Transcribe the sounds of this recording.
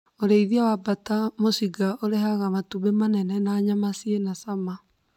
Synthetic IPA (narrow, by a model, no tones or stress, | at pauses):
oɾeiðiawabatamosiɡaʔoɾeɦaɣamatuβemanɛnɛnaɲamasienasama